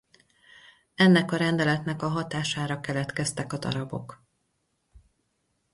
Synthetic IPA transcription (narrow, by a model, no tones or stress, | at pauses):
ɛnːɛkɒɾɛnd̪ɛlɛt̪nɛkɒɦɒt̪aːʃaːɾɒkɛlɛt̪kɛst̪ɛkɒd̪ɒ̰ɾɒbo̞̰k